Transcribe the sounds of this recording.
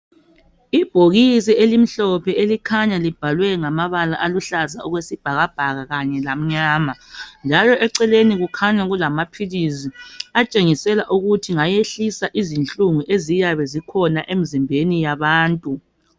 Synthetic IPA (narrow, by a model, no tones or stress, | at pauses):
ib̥ʱoɣis̬ɛelim̩ɬɔpʰɛelikʰaɲalib̥ʱalwɛŋamaβalaʔaluɬazaɔɣwesib̥ʱaɣab̥ʱaɣaɣaɲɛlam̩ɲaːmand͡ʒʱalɔʔɛǀɛleniɣukʰaɲaɣulamapʰiliziat͡ʃʼeŋisɛlaʔuɣutʰiŋajeɬisaʔizint͡ɬʼuŋuʔezijaβɛzikʰɔnaʔem̩zimbʱenijaβaːntʼu